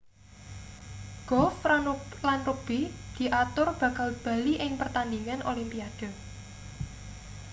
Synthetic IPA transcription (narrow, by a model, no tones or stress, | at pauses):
ɡ̥ɔfalanrub̥id̪̥i̤ʔat̪ʊrb̥ä̤kalb̥a̤liʔɪŋpərt̪and̪iŋanʔolimpiad̥ɔ̤